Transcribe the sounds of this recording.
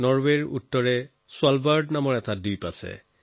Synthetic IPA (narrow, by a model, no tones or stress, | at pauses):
nɔɹweɹṵtːɔɹɛ | sʊalbaɹdnamɔɹɛtadujpasɛ̰